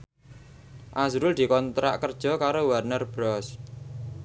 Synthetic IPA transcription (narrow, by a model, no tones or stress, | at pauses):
ʔazɾʊld̪̥i̤kɔnt̪ɾa̰ʔkərd̥ʒ̥ɔ̤kaɾowarnərbɾɔs